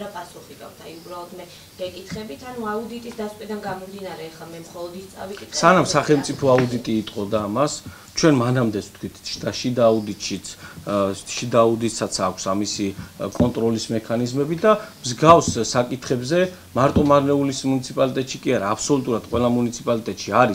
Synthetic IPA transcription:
ɾapʼasuχiɡ̪ʼa̰vd̪ʰaiubɾalˠɔd̪mɛ | ɡ̥ɛkʼit̪ʰχɛbit̪ʰanuaud̪it̪ʼisd̪askʼwid̪anɡamɔmd̪inaɾɛːχlˠamɛmχɔlˠɔd̪ist̪sʼa̰vissanamsaχɛlˠmt̪sʼipʰɔaud̪it̪ʼiːt̪ʼqʼɔd̪aːmas | t͡ʃʰwɛnmanamd̪ɛsʰt̪ʰkʰwit̪ʰt͡ʃʰd̪aʃid̪aːud̪it̪ʼʃit̪sʰ | ʃid̪aːud̪isat̪sʰakʷʰsamisikʼɔnt̪ʼɾɔlismɛkʰanizmɛbid̪amzɡafssakʼit̪ʰχɛbzɛ | maɾt̪ʼɔmaɾnɛulismunit̪sʰipʼalit̪ʼɛt̪ʼʃikʼiaɾaːpʰsɔlut̪ʼuɾad̪̥qʼwʔɛlˠamunit̪sʰipʼalit̪ʼɛt̪ʼʃiaɾi

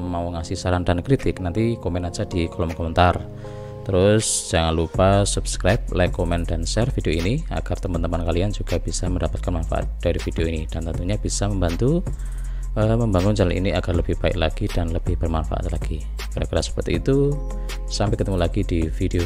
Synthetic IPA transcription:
mauŋasisaɾandankɾit̪ɪk̚nant̪ikomɛnad͡ʒadikɔlɔmkomənt̪ar | t̪əɾʊsd͡ʒ̥aŋanlupasupskɾajp̚lajkomɛnd̥ansɛrfideoinia̰ɡ̥art̪əmant̪əmpankaliand͡ʒuɡ̥ab̥isaməndapat̪̚kanmanfa̰ʔa̰t̪̚d̥aɾifid̥eoinid̥ant̪ənt̪uɲab̥isaməmbant̪u | ʔəməmbaŋʊnt͡ʃalanḭniaɡ̥arləb̥ɪhb̥aɪ̰k̚laɡ̥id̥anləb̥ɪhb̥ərmanfa̰ʔa̰t̪la̰ɡ̥i | kadakiɾasə̥pərt̪ḭːt̪u | sampɛkət̪əmulaɡidifideo

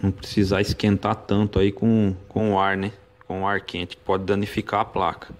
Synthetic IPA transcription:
nɐ̃w̃pɾesizaɪskẽnt̪at̪ɐ̃nt̪ʊaikõkõaɾnɛ | kõaɾkẽt͡ʃɪ̥kɪ̥pɔd͡ʒɪd̪ɐ̃nifikaɐpla̰kɐ̥

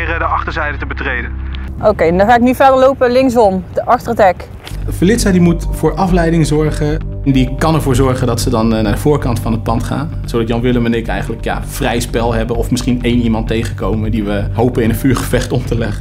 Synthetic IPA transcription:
rədəɑχtəɹzɛjdətəbətrejdənowkejɛndɑχaːɪk̚nyfɛɹdəɹlowpəlɪŋs̬ɔmdəʔɑχtərətɛk | fəlɪtsadimutfʊːɹʔɑflɛjdɪŋzɔɹχəndikɑnɛɹvʊːɹzɔɹχəndɑtsədɑnnaːɹdəv̥ʊːɹkɑntfɑnɦət̚pɑntχa̰ːn | z̥owdɑtjɑnʋɪləmənɪkɛ̰jχənləkja̰ːfrɛjspɛlˠɦɛbəɔfməɪsχinejnimɑntːejχəkowməndiʋəɦowpənɪnənfyːɹχəvɛχtɔmtəlɛχə

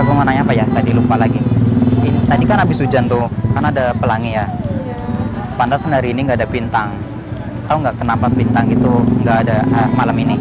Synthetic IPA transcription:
abumanaɲaːpajat̪adilumpalaɡiinit̪adikanabɪsud͡ʒant̪ʊkanaːdapəlaŋija | pandasəndaɾiːniŋɡaːdabint̪aŋ | at̪auŋɡaʔkənampanbint̪aŋɡit̪uŋɡaʔːdaamalamini

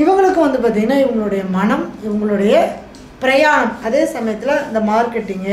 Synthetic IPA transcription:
ɪʋɐŋɡɐɭɯkːɯʋɐnd̪ɯpaːɾt̪̬iŋɪnːaːɪʋɐŋɡɐɭɯɽɐjɐmɐnɐmɪʋɐŋɡɐɭɯɽɐjɐ | pɪɾɐjaːɾɐmɐðeːsɐmɐjɐt̪ːɪlɐɪnd̪ɐmaːɾkɛʈːiŋɡɐ

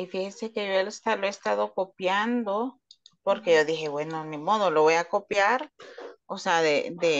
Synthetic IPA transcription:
ifixese̞ke̞ʝoelest̪aloest̪aðo̞ko̞pjand̪o̞po̞ɾke̞ʝo̞ðixe̞βwe̞nomimo̞ðolo̞βojako̞pjaɾoseaðed̪e

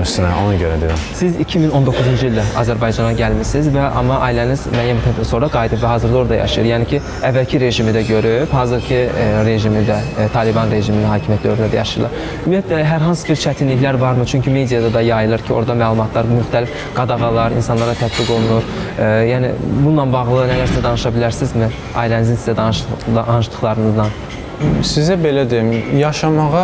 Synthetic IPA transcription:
ʃsnɛo̰nɑɟøɾæd̪ed̪isizicʰimino̞nd̪o̞kʰːuzund͡ʒɯiilʲd̪æɑ̰zæɾbɑjd͡ʒɑnɑɟælmisizvɛʔɑ̰mɑʔɑilænizmæːjæmt̪ʰsoɾɑɡɑjid̪ɯpvæɦɑːzɯɾd̪ɑo̞ɾd̪ɑ̰jɑ̰ʃɯjɯɾjɑːnicʰi | ævːælcʰiɾe̞ʒimid̪æɟø̞ɾyphɑːzɯɾcʰiɾe̞ʒimid̪æt̪ʰɑlibɑnɾe̞ʒimininhɑːcʰimijæt̪ʰlæøɾynæd̪æ̰jɑ̰ʃɯjɯlˠɑɾ | ymijæt̪lɛɦæɾɦɑnsɯ̥biɾt͡ʃʰæt̪ʰinliçlæɾvɑɾmɯt͡ʃʰyɲcʰyme̞d̪ijɑd̪ɑd̪ɑjɑjɯlˠɯɾcʰio̞̰ɾd̪ɑmæːlˠumɑt̪ʰlˠɑɾmyxt̪ʰælif | ɡ̥ɑd̪ɑɣɑlˠɑɾḭnsɑnlˠɑɾɑt̪ʰæt̪̚biɡo̞lˠunuɾjæːnḭbunːˠɑnbɑɣlˠɯnælæɾsizæd̪ɑnɯʃɑbilæɾsizmi | ɑ̰jlænizinsizæd̪ɑnʃɑnɯʃlˠɯχlˠɑɾɯnɯzd̪ɑn | sizæbe̞læd̪ejimjɑʃɑmɑʁɑ

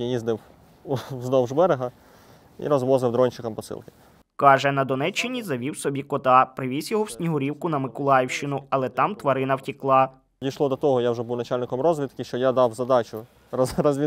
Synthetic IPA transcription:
jizd̪ɪw | znɔwʒbɛɾeɦɐ | ḭɾɔzʋɔzɪwd̪ɾɔnʲt͡ʃɪkɐmpɔsɪ̰lˠkɪ̥ | kɑʒɛnɐd̪ɔnɛt͡ʃːɪnʲizɐʋʲiwsɔbʲikɔt̪ɑpɾɪʋʲisʲjɔɦɔwsʲnʲiɦʊɾʲiwkʊnɐmɪkʊlˠɑjɪwʃt͡ʃɪnʊɐlˠɛt̪ɑmt̪ʋɐɾɪnɐwtʲiklˠɑ | d̪ʲijʃlˠɔd̪ɔt̪ɔɦɔjawʒɛbuwnɐt͡ʃalʲnɪkɔmrɔzʲʋʲit̪kɪʃt͡ʃɔjad̪ɑwzɐd̪ɑt͡ʃʊ | ɾɐzʋʲi

